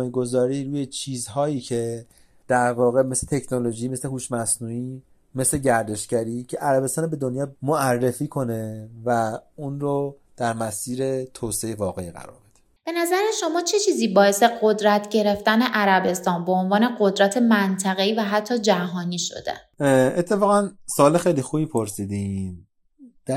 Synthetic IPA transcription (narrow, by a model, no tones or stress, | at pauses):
jeɡo̞zɒːɾiːɾuːjet͡ʃʰiːzɦɒːjiːcʰe̞ | d̪̥æɾvɒːɣeme̞slet̪ʰecʰnolo̞ʒiːme̞sle̞huːʃmæsnuːiː | me̞sleɟæɾd̪e̞ʃcæɾiːcʰe̞ʔæɾæbe̞st̪ɒːnbe̞d̪onjɒːmoærːefiːkʰo̞ne̞væunɾo | d̪̥æɾmæsiːɾet̪ʰoːseejevɒːɣeiɣæ̰ɾɒ̰ːɾb̥ed̪̥e̥ | b̥e̞næzæɾeʃo̞mɒːt͡ʃʰe̞t͡ʃʰiːziːbɒːe̞se̞ɢo̞d̪ɾæt̪ʰɟe̞ɾe̞ft̪æne̞ʔæɾæbe̞st̪ɒːnbeonvɒːne̞ɢo̞d̪ɾæt̪ʰe̞mænt̪ʰæɣe̞iːvæɦæt̪ʰːɒːd͡ʒæɦɒːniːʃo̞̰d̪e̞̰ | et̪ʰːefɒːɣænsoɒːlexejlixubipʰoɾsiːd̪in | d̪̥æ